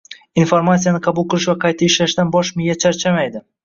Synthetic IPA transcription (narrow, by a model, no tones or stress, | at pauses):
infoɾmasijanɪqʰɑbʊlˠqɨɾɪʃvaqʰɑjt̪ʰaɪʃlaʃd̪anbɒʃmɪjat͡ʃʰaɾt͡ʃʰamajd̪ɪ